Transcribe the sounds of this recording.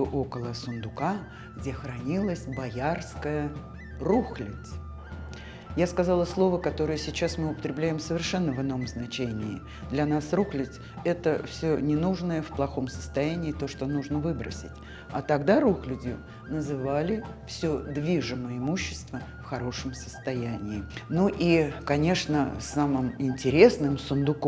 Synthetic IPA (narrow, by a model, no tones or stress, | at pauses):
ʊʔo̞kəlˠəsʊnd̪ʊka | ɡdʲe̞xɾɐnʲilˠəsʲbɐjarskəjə | ruxlʲɪt̪s | jaskɐzɑlˠəslˠo̞vəkɐt̪o̞ɾɨjəsʲɪt͡ɕasmɨʊpət̪ɾʲɪblʲæjɪmsəvʲɪrʂɛnːəvɨnːo̞mznɐt͡ɕenʲɪː | d̪lʲɐnasruxlʲɪt̪ʲ | ɛt̪əfsʲonʲɪnuʐnəjəfplˠɐxo̞msə̥st̪ɐjænʲɪːt̪o̞ʂt̪onuʐnəvɨbɾə̰sʲɪ̰tʲ | ɐt̪ɐɡd̪aɾuxlʲʊdʲɪ | nəzɨvalʲɪfsʲɵd̪vʲiʐɨməɪmuɕːɪ̥st̪vəfxɐɾo̞ʂəmsə̥st̪ɐjænʲɪːnuʔikɐnʲe̞ʂnəsamɨmɪnʲtʲɪɾʲe̞snɨmsʊnd̪ʊk